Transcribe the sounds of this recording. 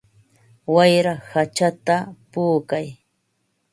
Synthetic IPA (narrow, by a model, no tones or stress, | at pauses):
wajɾahat͡ʃat̪apuːkaj